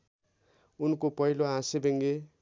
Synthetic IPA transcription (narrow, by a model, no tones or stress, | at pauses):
unkopʌɦiloɦãsebeŋɡe